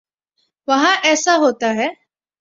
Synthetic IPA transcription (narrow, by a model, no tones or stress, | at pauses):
ʋəɦãʔɛːsaɦoːt̪aɦɛ